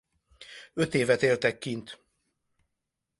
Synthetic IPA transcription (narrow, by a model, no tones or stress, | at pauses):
øt̪eːvɛt̪eːlt̪ɛkːint̪